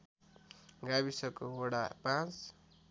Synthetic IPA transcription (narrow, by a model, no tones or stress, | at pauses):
ɡaβisʌkooɽapãt͡s